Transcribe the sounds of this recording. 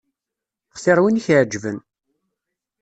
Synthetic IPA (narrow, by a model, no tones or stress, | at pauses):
χsɪɾwiniçʕd͡ʒvən